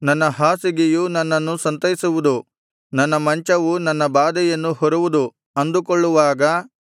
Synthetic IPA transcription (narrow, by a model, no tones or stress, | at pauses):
nɐnːɐɦaːsiɡejunɐnːɐnːusɐnt̪ɐjisuʋud̪u | nɐnːɐmɐɲt͡ʃɐʋunɐnːɐbaːd̪ɛjɐnːuhɔɾuʋud̪u | ɐnd̪ukɔɭːuʋaːɡɐ